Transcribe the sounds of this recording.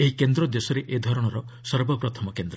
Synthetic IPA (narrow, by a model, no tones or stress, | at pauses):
eɦikend̪ɾɔd̪esɔɾeʔed̪ʱɔɾɔɽ̃ɔɾɔ | sɔɾbɔpɾɔt̪ʰɔmɔkend̪ɾɔ